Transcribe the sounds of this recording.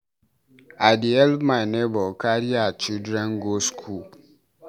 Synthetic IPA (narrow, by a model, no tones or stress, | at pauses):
adiɛlmanebɔkaɾiat͡ʃidɾɛnɡoskʰul